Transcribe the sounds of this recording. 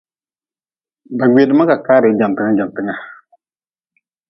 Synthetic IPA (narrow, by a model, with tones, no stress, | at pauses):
ba˨ɡ͡be˨dɪ˦ma˦ka˨kaː˦ɾɪ˨˦d͡ʒa˨m˨pɪ˦ŋa˦d͡ʒa˨m˨pɪ˦ŋa˦